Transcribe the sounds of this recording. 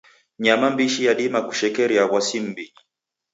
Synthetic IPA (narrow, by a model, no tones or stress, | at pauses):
ɲamambiʃijaɗimaku̥ʃɛkɛɾiawasim̩bi